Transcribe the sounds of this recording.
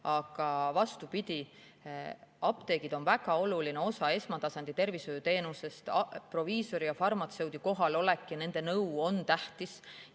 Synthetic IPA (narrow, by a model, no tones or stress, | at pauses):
ɑɡ̥ɑvɑst̪upid̪̥ʲi | ɑpt̪e̞ːɡ̥id̪̥o̞nvæɡɑo̞lulineo̞sɑe̞smɑt̪ɑsɑnd̪̥it̪e̞rviso̞jut̪e̞ːnuse̞st̪pro̞viːso̞ɾijɑfɑrmɑt̪se̞wd̪̥iko̞ɦɑlo̞lekːˑiɑne̞nd̪̥e̞nɤwo̞nt̪æht̪is